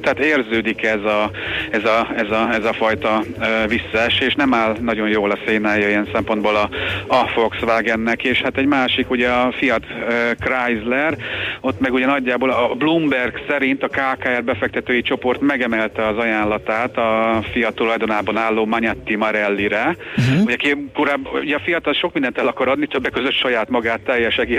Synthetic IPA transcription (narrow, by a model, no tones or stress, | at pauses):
t̪ɛat̪eːrzøːd̪ikɛzɒɛzɒɛzɒɛzɒfɒjt̪ɒøːvisːɒɛʃːʃnɛmaːlnɒɟo̞jjoːlɒseːnaːjɒijɛnsɛmpo̞nd̪boːlɒɒfo̞ksʋaːɡɛnːɛkeːʃhat̪ɛɟmaːʃikuɟɛɒfijɒt̪økrajzlɛro̞t̪mɛɡuɟɛnɒɟːaːboːlɒblumbɛrɡsɛɾint̪ɒkaːkaːɛrbɛfɛk̚t̪ɛt̪øːjit͡ʃo̞po̞rt̪mɛɡɛmɛlt̪ɛɒzɒjaːnlɒt̪aːt̪ɒfijɒt̪ːulɒjd̪onaːbɒnaːlːoːmɒɲɛt̪ːimɒɾɛlːiɾɛuɟɛkekoɾaːbuɟɛɒfijɒt̪ɒlʃo̞k̚mind̪ɛnt̪ɛlɒkɒɾɒd̪nit̪øbːɛkːøzøt̪ʃɒjaːt̪mɒɡaːt̪ːɛjːɛʃɛɡiː